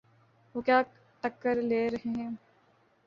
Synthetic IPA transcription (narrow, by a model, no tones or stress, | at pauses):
ʋoːkjaː | ʈɐkːəɾleːɾɐɦeɦɛ̃ː